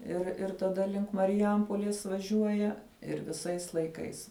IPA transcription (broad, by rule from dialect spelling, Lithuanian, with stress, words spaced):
ɪr ɪr tɐˈdɐ lʲɪŋk mɐrʲɪˈjɛmpoːlʲeːs ʋɐˈʒʲuɔjɛ ɪr ʋʲɪˈsɐɪs lˠɐɪˈkɐɪs